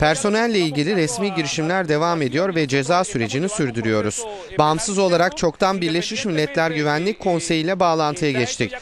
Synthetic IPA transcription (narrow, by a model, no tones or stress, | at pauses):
pʰæɾso̞nælʲːɛilʲɟilʲiɾɛsmiːɟiɾiʃimlʲæɾd̪e̞vaːme̞d̪ijo̞ɾvɛd͡ʒe̞zaːsyɾe̞d͡ʒinisyɾd̪yɾyjo̞ɾuz̥ | bamsɯzo̞lˠaɾakt͡ʃʰo̞kt̪ʰanbiɾlʲeʃmiʃmilʲːɛt̪lʲæɾɟyvænlʲic̚kʰːo̞nse̞jiːlʲɛbaːlˠant̪ʰɯjaɟɛt͡ʃt̪ʰic